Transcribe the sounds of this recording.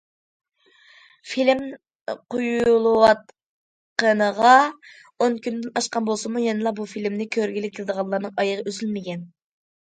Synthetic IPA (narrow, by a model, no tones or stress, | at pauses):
filɪm | qʰojulˠwɑt̪̚ | qənəʁɑ | onkʲynd̪ɪnɑʃqɑnbolˠsɨmujɛnɨlˠɑbufilmnɪkʲʰøɾɡʲilɪp̚kʰʲelˠɨd̪əʁɑnlˠɑɾnɨŋɑjəʁɑøzylmɪkʲɛn